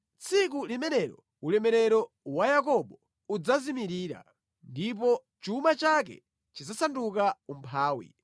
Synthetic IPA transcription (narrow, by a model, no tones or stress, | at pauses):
t͡sʰikulimɛnɛɾɔ̰ | ulɛmɛɾɛɾɔ | wajakɔɓɔ | ud͡zazimiɾiːɾa̰ | ndip̬ɔ | t͡ʃumat͡ʃak̬ɛ̰ | t͡ʃid͡zasandukaumpʰaːwḭ